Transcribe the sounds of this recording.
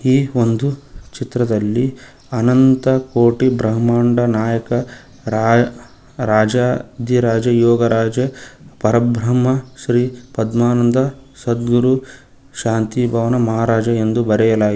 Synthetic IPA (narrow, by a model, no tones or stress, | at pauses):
iːond̪ut͡ʃit̪ɾɐd̪ɐlːi | ɐnɐnt̪ɐkoːʈibɾɐɦmaːɳɖɐnaːjɐkɐ | ɾa | ɾaːd͡ʒaːd̪iɾaːd͡ʒɐjɔːɡɐɾaːd͡ʒɐpɐɾɐbʱɾɐmːɐʃɾiːpɐd̪maːnɐnd̪ɐsɐd̪ɡuɾu | ʃaːnt̪ibʱɐʋɐnɐmɐɦaːɾaːd͡ʒɐend̪ubɐɾɛjɐlaːɡ